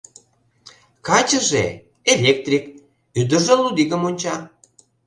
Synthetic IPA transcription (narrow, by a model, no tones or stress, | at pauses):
kɑt͡ɕə̆ʒḛ | elʲek̚t̪rʲik | yd̪ə̆ʒelud̪iɣəmonʲt͡ɕɑ